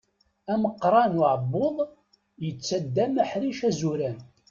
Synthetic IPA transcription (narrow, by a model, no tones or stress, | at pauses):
æməqːɾˤɑnʊʕəbːoðˤ | jət͡sːæd̪ːæmæħɾiʃæzuɾæn